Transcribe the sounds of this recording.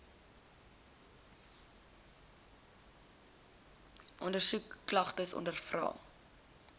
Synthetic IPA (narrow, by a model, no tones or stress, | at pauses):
ʔɔndərsukːlɐχtəsɔ̰ndərfrɑ̰ː